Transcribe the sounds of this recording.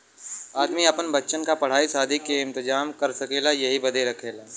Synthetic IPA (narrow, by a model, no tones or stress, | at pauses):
aːd̪miɐpənbɐtːʃənkapɐɽ̤aːisaːd̪ʱikeɪ̃nt̪ɪd͡ʒaːmkɐɾsɐkeːlajɐɦibɐd̪ʱeɾɐkʰeːlaː